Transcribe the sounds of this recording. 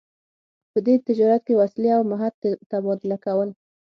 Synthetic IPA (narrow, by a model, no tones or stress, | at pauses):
pəd̪et̪ɪd͡ʒɑɾat̪̚kewasliawmaɦad̪t̪abɑd̪ɪlakawəl